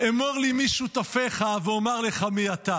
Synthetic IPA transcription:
emoʁlimiʃut̪afeχaveomaʁleχamiat̪a

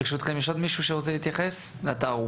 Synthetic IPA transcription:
ʃut̪χemiʃod̪miʃuʃeʁozelit̪jaχesleat̪aʁu

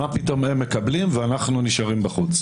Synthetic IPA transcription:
apito̞memːe̞kablimveanaχnuniʃaʁimbaχut͡s

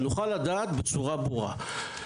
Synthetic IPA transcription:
nuχalːad̪aːt̪bet͡suʁabuʁa̰

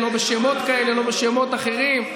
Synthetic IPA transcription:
lo̞beʃemo̞t̪kaele̞lo̞beʃemo̞t̪aχe̞ʁim

